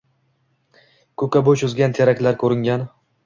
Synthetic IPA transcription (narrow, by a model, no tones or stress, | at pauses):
kʰɵkʲabot͡ʃʊzɡʲant̪ʰeɾakʲlaɾkʰɵɾɪŋɡʲan